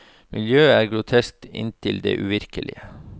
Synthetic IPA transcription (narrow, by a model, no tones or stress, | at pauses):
mʔɪljøːæːɾɡɾʊt̪ʰɛsk̚t̪ɪ̰nt̪ʰɪld̪ḛːʔʉʋɪɾkəlʔɪ̰ə